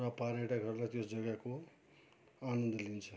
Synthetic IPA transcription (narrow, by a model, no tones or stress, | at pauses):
ʌpaɾeʈakʌɾulajt̪osd͡zʌɡako | anʌnd̪ʌlint͡sʰʌ